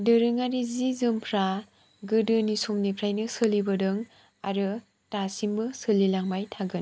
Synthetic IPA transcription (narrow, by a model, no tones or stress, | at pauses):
dɯɾɯŋaɾizizɯmpʰɾa | ɡɯdɯnisomnipʰɾajnɯsɯlibɯdɯŋ | aɾɯ | tasimbɯsɯlilaŋbajtʰaɡɯn